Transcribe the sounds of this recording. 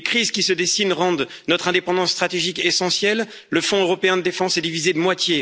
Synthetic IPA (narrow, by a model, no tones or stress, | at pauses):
ekχizkʲisəd̪esinʁɑ̃d̪ | nɔt̪χɛ̃d̪epɑ̃d̪ɑ̃sːt̪χat̪eʒikesɑ̃sjɛlː | əfɔ̃øʁɔpeɛ̃d̪əd̪efɑ̃sɛd̪ivized̪əmwat̪je